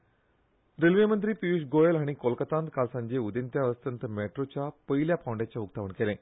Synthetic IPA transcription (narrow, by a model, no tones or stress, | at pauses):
ɾelʋemənt̪ɾiːpiusɡojelɦaɽ̃ikolkət̪ãnt̪kʰalsãɲd͡ʑeud̪ent̪jaəst̪ənt̪əmeʈɾot͡ɕjapəiljapawɳɖjat͡ɕjauk̚t̪aʋəɳkelẽ